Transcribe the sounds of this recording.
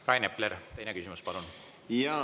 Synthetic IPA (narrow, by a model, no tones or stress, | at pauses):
rɑjnepleɾt̪e̞jnekysimuspɑlun | jɑ